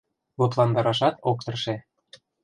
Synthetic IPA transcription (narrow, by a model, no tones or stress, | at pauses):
loplˠɑnd̪ɑɾɑʃɑt̪ok̚t̪ɤ̆rʃe